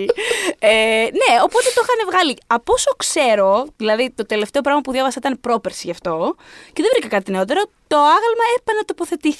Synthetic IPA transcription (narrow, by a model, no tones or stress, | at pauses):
ene̞o̞po̞t̪e̞t̪oxɐnevɣɐliɐpo̞so̞kse̞ɾo̞ðilɐðit̪o̞t̪e̞le̞ft̪e̞o̞pɾɐɣmɐpuðʝɐvɐsɐit̪ɐnepɾopeɾsiʝɐft̪o̞ceðevɾikɐkɐt̪ine̞o̞t̪e̞ɾo̞t̪o̞ɐɣɐlmɐepɐnɐt̪o̞poθe̞t̪iθ